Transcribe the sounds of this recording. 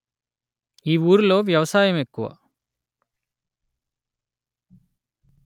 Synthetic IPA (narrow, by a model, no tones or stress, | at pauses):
iːuːɾulo̞ːʋjɐʋɐsaːjɐmekːuʋɐ̰